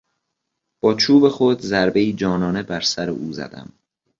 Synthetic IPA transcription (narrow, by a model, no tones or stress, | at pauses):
b̥ɒːt͡ʃʰuːbe̞xod̪zæɾbe̞iːd͡ʒɒːnɒːne̞bæɾsæɾḛʔuːzæ̰d̪̥æ̰m